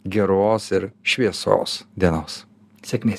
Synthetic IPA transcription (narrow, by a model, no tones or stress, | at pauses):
ɡʲɛɾoːsɪɾʃʲʋʲiɛso̰ːsd̪ʲiɛnoːs | sʲɛkʲmʲeː